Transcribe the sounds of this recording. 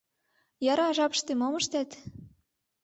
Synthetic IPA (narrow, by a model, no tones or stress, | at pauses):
jɑɾɑʒɑpə̥ʃt̪emomɤ̆ʃt̪æt̪